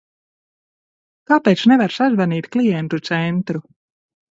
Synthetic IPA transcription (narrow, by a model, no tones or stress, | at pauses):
kaːpeːt̪snɛvaɾsazvaniːt̪klˠijɛnt̪ut̪sɛnt̪ɾu